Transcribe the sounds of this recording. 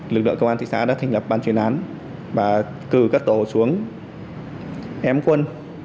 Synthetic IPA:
lɨ˨˩k̚lɨ̰˧˨ŋkə˧wʔaː˧t̪ḭ˧˨sa̰ː˧˥ɗa̰ː˧˥t̪ʰɛ˨˩ŋ̟lə˨˩p̚ɓaː˨˩nt͡ɕwi˧˩ənʔaː˨˦n | vaː˨˩ | kɨ˨˩kaː˦˥k̚t̪o˧˩su˨˦əŋ | ʔɛ˧mkwə˧n

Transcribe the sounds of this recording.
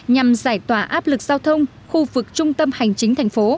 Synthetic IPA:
ɲa˨˩mzaː˧˩jt̪waː˧˩ʔaː˦˥p̚lɨ˨˩k̚z̥aː˧wt̪ʰə˧wŋ͡m | xu˧vɨ˨˩k̚t͡ɕʊ˧ŋ͡mt̪ə˧mha˨˩jŋ̟t͡ɕï˨˦ŋ̟t̪ʰɛ˨˩jŋ̟fo˨˦

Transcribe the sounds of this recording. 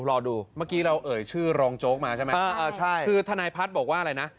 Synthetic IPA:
ɾɔː˧duː˧maː˥˩kiː˧ɾa˧wʔɤː˨˩jt͡ɕʰɯː˥˩ɾɔː˧ŋt͡ɕoː˦˥k̚maː˧t͡ɕʰa˥˩m˦aː˥˧˩ʔaː˧˩t͡ɕʰa˥˩jkʰɯː˧t̪ʰa˧naː˧jpʰa˦˥t̪̚bɔː˨˩k̚waː˥˩ʔɾa˧jna˦˥ʔ

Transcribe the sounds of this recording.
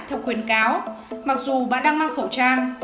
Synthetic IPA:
jt̪ʰa˨˩wkwi˨˩ənkaː˨˦wma˨˩k̚zu˨˩ɓa̰ː˧˨ɗaː˧ŋmaː˧ŋxə˧˩wt͡ɕaː˧ŋ

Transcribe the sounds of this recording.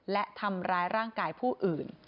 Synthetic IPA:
lɛ˦˥ʔt̪ʰa˧mɾaː˦˥jɾaː˥˩ŋkaː˧jpʰuː˥˩ʔɯː˨˩n

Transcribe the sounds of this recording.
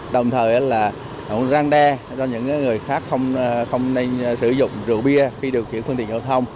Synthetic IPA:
ɗə˨˩wŋ͡mt̪ʰəː˨˩jʔə˨˦laː˨˩ | ə̰˨˧˩zaː˧ŋɗɛ˧ | t͡ɕɔ˧ɲɨ̰˧˥ŋkaː˨˦jŋɨ˨˩əjxaː˦˥k̚xə˧wŋ͡mxə˧wŋ͡mne˧nsɨ˧˩˦zʊ̰˧˨ŋ͡mzɨ̰˧˩ɓi˧əxi˧ɗi˨˩kxi˧˩˥nxwnt̪ï˧˨aː˧˩wt̪ʰə˧wŋ͡m

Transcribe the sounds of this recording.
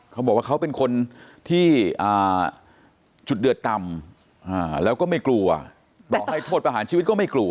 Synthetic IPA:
kʰa˦˥bɔː˨˩wa˥˩kʰwpe˧nkʰo˧nt̪ʰiː˥˩ʔaː˨˩ | t͡ɕu˨˩t̪̚dɯ˨˩ət̪ːa˧m | ʔaː˧˩lɛː˦˥wkɔː˥˩ma˥˩jklu˧ɐ | t̪ɔ˨˩˨kha˥˩jt̪ʰoː˥˩t̪̚pɾa˧ɦaː˩˦nt͡ɕʰiː˧˦˥t̪̚kɔː˥˩ma˥˩jklu˧ɐ

